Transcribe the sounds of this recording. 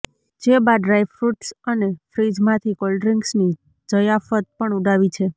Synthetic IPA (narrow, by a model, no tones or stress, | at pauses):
d͡ʒebad̪ɾajfɾuʈsənefɾid͡ʒmãt̪ʰikɔlɖɾiŋɡsni | d͡ʒəjafət̪̚pəɳuɖaʋit͡ʃʰe